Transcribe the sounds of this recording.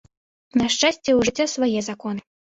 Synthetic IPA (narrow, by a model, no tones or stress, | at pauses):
nɐʂt͡ʂasʲt͡sʲɛwʐɨt͡sʲːasvajɛzakɔnɨ